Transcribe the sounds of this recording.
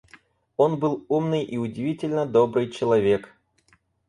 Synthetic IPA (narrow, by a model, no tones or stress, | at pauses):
o̞nbɨlˠumnɨjʔiʊdʲɪvʲitʲɪlʲnəd̪o̞bɾɨjt͡ɕɪlˠɐvʲe̞k